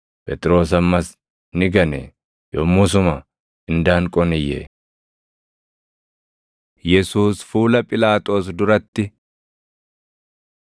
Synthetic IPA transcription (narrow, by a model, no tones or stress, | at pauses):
pʼɛt̪ʼɪɾo̞ːsɐmːɐs | nɪɡɐnɛ̰ | jɔmːʊs̬ʊmɐ | ɪnd̪aːŋkʼɔnɪjɛ̰ | jɛsuːsfuːlɐpʼɪlaːt̪ʼo̞ːsd̪ʊɾɐt̪ːɪ